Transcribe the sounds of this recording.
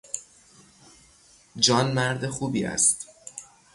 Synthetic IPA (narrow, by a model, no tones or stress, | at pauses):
d͡ʒɒːnmæɾd̪e̞xuːbiːæ̰st̪